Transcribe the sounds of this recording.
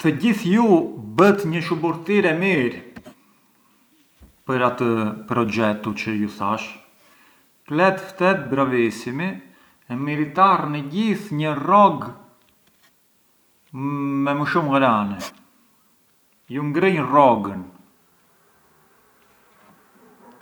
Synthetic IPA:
t̪əɟiθjubət̪ɲəʃubuɾt̪iɾɛmiɾ | pəɾat̪əpɾɔd͡ʒɛt̪ut͡ʃəjuθaʃ | klɛt̪ft̪ɛt̪̚bɾavisimi | ɛmiɾit̪arnəɟiθɲərɔɡ | mɛməʃumɾanɛ | juŋɡɾəɲrɔɡən

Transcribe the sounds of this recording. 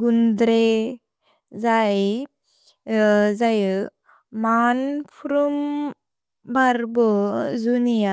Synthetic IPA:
ɡund̪ɾe | d͡zaj | d͡zajə | manpʰɾum | baɾbɔd͡zunija

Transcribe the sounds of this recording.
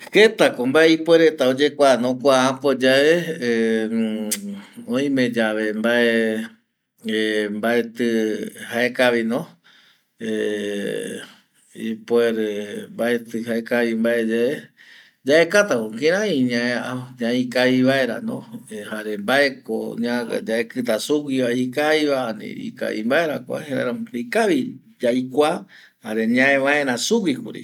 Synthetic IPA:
het̪akombaeipweɾet̪aod͡ʒe̞kʷanõkʷaãpod͡ʒae | õĩmẽd͡ʒaʋe̞mbae | embaet̪ɨhaekaʋinõ | e | ḭpweɾmbaet̪ɨhaekaβimbaed͡ʒae | d͡ʒaekat̪akokĩɾ̃ãĩɲãeaɲãikaiβaeɾa̰nõ̰haɾembae̞ko̰ɲã̰d͡ʒaekɨt̪̬asuwiβaikajβaanḭḭka̰ḭmbaeɾakʷa̰heɾḛɾaikaʋi | d͡ʒajkʷa | haɾe̞ɲãẽʋãẽɾãsuwikṵɾḭ

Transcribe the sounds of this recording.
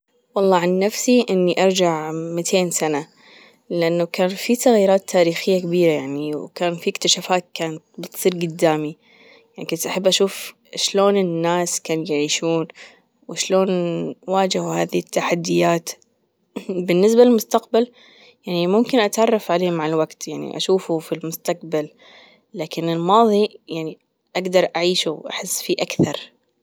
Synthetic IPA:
wɑlˤːɑːʕanːafsiʔɪnːiʔɑɾˤd͡ʒaʕmɪt̪ʰeːnsana | lɪʔanːakaːnfisaɣjiːɾaːt̪ʰːaːɾiːxɪjːakabiːɾajaʕniwwkaːnfikt̪aʃafaːt̪̚kaːnat̪bɪt̪sˤiːɾɡʊd̪ːaːmi | jaʕnikʊnt̪ʔaħabːʔaʃuːf | ʃloːnɪnːaːskaːnjaʕiːʃuːn | wɪʃloːnwaːd͡ʒɪhhaːðit̪ːaħad̪ːɪjaːt̪ | bɪnːɪs̬balɪlmʊst̪aqbal | jaʕnimʊmkɪnʔat̪ʕɑrˤːɑfʕaleːmaʕalwaɡt̪jaʕnḭʔa̰ʃuːfufilmʊst̪aqbalː | aːkɪnɪlmɑːðˤijaʕni | ʔaɡd̪ɑɾˤʔaʕiːʃuwʔa̰ħɪsːfiʔakθɑɾˤ

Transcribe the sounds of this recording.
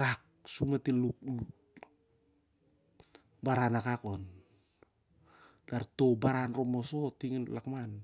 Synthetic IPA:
ɾak̚ | sumatilukl | baɾanakako̞n | daɾtobaɾanromoso̞tiŋinlakman

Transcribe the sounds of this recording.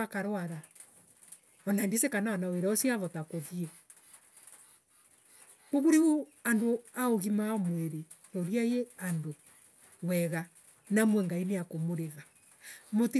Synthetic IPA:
akaɾwaða | ɔnaendisekanaɔnaweɾaɔsiaβɔtakoðiɛ | koβuɾeɣuandoaoɣimamweɾe | noɾiajeando | wɛɣa | namwɛŋɡaineakomoɾeða | moti

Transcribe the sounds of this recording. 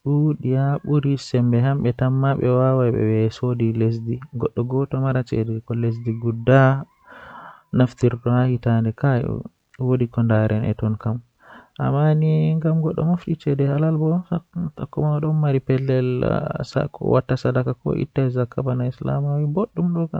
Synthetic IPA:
ɗuɗiaɓuɾisɛmbɛhamɓɛtamːaɓɛ̰wawaɓɛ̰wɛsodiles̬diɡɔɗːɔɡɔtɔmaɾat͡ʃɛ̰dɛkɔles̬diɡudːa | naftiɾdɔhahitandɛka̰ | wodikɔndaɾʔɛ̰nʔɛ̰tɔnkam | ʔa̰mːaniŋɡamɡɔɗːɔ̰maftit͡ʃɛdɛhalalbɔtakːɔmawaɗɔnmaɾipɛlːɛlsa̰kːɔ̰wa̰tːasadakakɔ̰ʔḭtːaɛzakːabanaisla̰mawiboɗːumɗɔka

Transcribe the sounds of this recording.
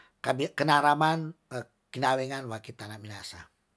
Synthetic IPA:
kabikənaɾaman | kinawɛŋanwakit̪anabinasa̰

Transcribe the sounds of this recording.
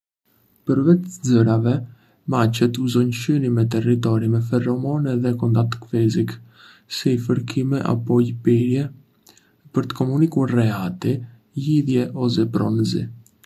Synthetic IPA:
pəɾvɛt̪d͡zəɾavɛ | mat͡ɕɛt̪uzɔnʃynimɛt̪̬ɛrit̪̬ɔɾimɛfɛrɔmɔnɛðɛkɔnd̪at̪kfɛzik | sɛifəɾkʰimɛʔa̰pɔjpiɾjɛ | pəɾt̪ə̥kɔmunikuɾrɛat̪i | jiðjɛʔɔs̬ɛpɾɔ̰nəzḭ

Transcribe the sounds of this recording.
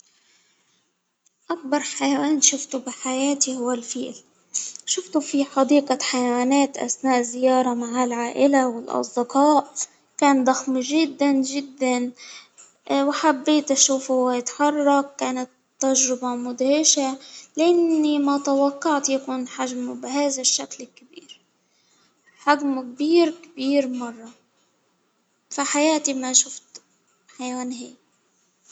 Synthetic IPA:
ʔak̚bɑɾˤħajawaːnʃʊft̪ubɪħajaːt̪ihʊwːalfiːl | ʃʊft̪ufiħɑd̪iːqaħajawaːnaːt̪ʔa̰snaːʔzɪjɑːɾˤɑmaʕalʕaːʔɪlawɪlʔɑ̰sˤd̪ɪqɑːʔ | kaːnd̪ˤɑxmʒɪd̪ːanʒɪd̪ːan | wħabːeːt̪ʔaʃuːfhwajɪt̪ħɑrˤːɑkkaːnat̪ːaʒɾɪbɑmʊd̪hɪʃalʔanːimat̪awɑqːɑʕt̪jakuːnħaʒmubɪɦaːðaʃːaklɪkːabḭːɾ | ħad͡ʒmk̚biːɾkbiːɾmɑrˤːɑ | faħajaːt̪imaʃʊft̪ | ħajaːnɦeːk̚

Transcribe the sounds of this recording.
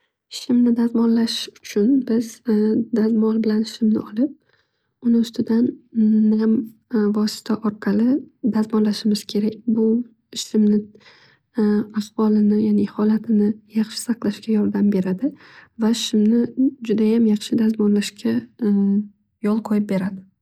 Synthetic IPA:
ʃɪmnɪd̪azmɒnlaʃʊt͡ʃʰʊnbɪzd̪azmɒlbɪlanʃɪmnɪ̰ɒlɪp̚ | ʊnɪʊst̪ʰɪd̪anː | mvɒsɪ̥t̪ʰaʔɒɾqʰɑlɪd̪azmɒnlaʃɪmɪz̥kʲʰe̞ɾakʲbʊ | ʃɪmnɪ | afvɒlɪnɪjanehɒlat̪ʰɪnɪjɑχʃɪ̥sɑqlˠaʃkʲajɒɾd̪ambe̞ɾad̪ɪvaʃɪmnɪd͡ʒʊd̪ajamjɑχʃɪd̪azmɒnlaʃkʲa | jɒlˠqʰɒjɪp̚be̞ɾad̪ɪ

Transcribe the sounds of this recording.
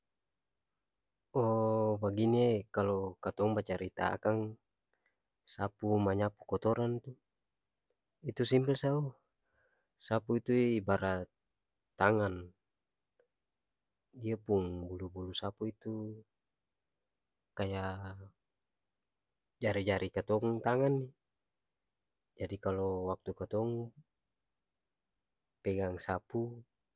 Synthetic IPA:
ɔbaɡinekalɔkat̪ɔŋbat͡ʃaɾit̪a̰a̰kaŋ | sapumaɲapukɔt̪ɔɾant̪u | it̪usimpɛlsau | sapuit̪uibaɾa | t̪aŋan | iapuŋbulubulusapuit̪u | kaja | d͡ʒaɾid͡ʒaɾʔikat̪ɔŋt̪aŋanːi | d͡ʒadikalɔwak̚t̪ukat̪ɔŋ | pɛɡaŋsapu

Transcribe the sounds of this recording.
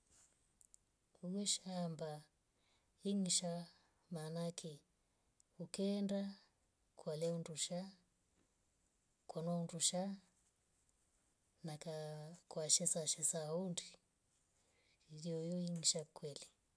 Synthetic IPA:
uɡɛʃamba | iŋ̩ʃa | manakʰi | ukɛnda | kwalɛunduʃa | kwɔnɔunduʃa | nakakwaʃɛsaʃɛsaundi | iliɔjɔiŋ̩ʃakwɛli

